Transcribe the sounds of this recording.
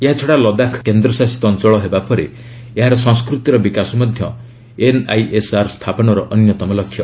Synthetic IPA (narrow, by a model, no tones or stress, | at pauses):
eɦat͡ʃʰɔɽalɔd̪akʰkend̪ɾɔsasi̥t̪ɔnt͡ʃɔɭɔɦebapɔɾe | eɦaɾɔsɔ̃ŋskɾut̪iɾɔbikasɔmɔd̪ʱjɔ | enajʔesaɾst̪ʰapɔnɔɾɔʔɔnjɔt̪ɔmɔlɔkʰːjɔ